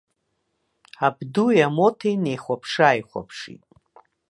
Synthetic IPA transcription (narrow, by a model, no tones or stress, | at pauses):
abdujamo̞tʰejnejχʷapʰʂaːjχʷa̰pʰʂḭtʼ